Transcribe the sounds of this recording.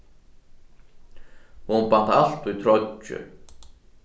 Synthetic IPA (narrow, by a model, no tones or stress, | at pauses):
hunpant̪alt̪ujt̪ʰɾɔt͡ʃːʏ̰